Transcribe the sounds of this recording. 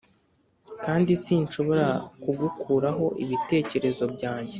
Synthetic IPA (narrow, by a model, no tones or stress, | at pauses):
kaːndisiːnʃo̞βo̞ɾakuɡukʰuːɾaɦo̞ʔiβite̞ːce̞ɾe̞zo̞bɟaːɲɟe̞